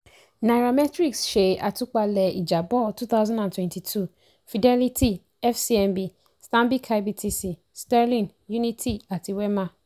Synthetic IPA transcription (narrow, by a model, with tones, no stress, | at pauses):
na˨ɾa˨mɛ˦tɾi˦ksʃe˨ʔa˨tʊ˦k͡pa˦lɛ˨i˨d͡ʒa˨bɔ˦tu˦θa˦ʊzã˦ndã˨ntʰwɛ̃˦ntʰi˨tʰu˦˨ | fi˨dɛ˦li˦tʰi˦ | ɛ˦fsi˦ɛ˨nbi˦ | stã˦mbi˦kʰa˨˦bi˨tʰi˨si˨ | sta˦ɾlĩ˨n | ju˦ni˦tʰi˦a˨tʰi˨wɛ˦mã˦